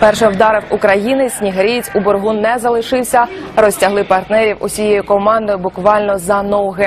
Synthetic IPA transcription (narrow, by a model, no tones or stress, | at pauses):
pɛrʃɛwd̪ɑɾɪwukɾɐjinɪsʲnʲiɦɐɾʲit͡sʲubɔrɦunɛzɐlˠɪʃɪwsʲɐrɔsʲtʲɐɦlˠɪpɐrt̪nɛɾʲiwʔʊsʲijejʊkɔmɑnd̪ɔjʊbʊkʋɑlʲnɔzɐnɔwɦɛ